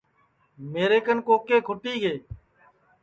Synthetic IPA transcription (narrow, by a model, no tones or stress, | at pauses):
meːɾeːkənkoːkeːkʰʊʈiːɡeː